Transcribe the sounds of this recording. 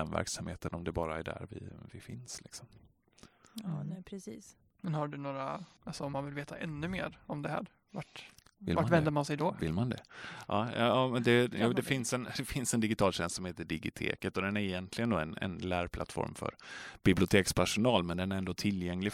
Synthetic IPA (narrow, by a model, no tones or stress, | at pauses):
ɛnvæ̰ɾksamheːt̪ənɔmd̪ɛbɑːɾaæɖæ̰ɾvɪ̰vɪfɪnslɪksɔm | pʰɾɛsiːs | mɛnhaɖɵnoːɾaalsɔɔmːanvɪlveːt̪aʔɛnːɵmeːɾɔmd̪ɛhæ̰ːɾ | vaʈ | ɪ̰lvavɛnd̪əmansɛjd̪ɔvɪlmand̪ɛ̰ʔɑːɑjɑːmɛnd̪ɛjd̪ɛfɪnsɛnd̪ɛfɪnsɛnd̪ɪɡɪt̪ʰɑːlɕɛnst̪sɔmheːt̪əɖɪɡɪt̪ʰḛːkət̪ɔd̪ɛnæɾɪjɛnt̪ʰlɪɡənd̪oːɛnɛ̰nlæːɾpʰla̰t̪fɔ̰ɾmfœ̰ɾb̥ɪblɪʊt̪ʰeːkspʰæʂʊnɑːlmɛnd̪ɛnæɾɛnd̪oːt̪ʰɪljɛŋlɪ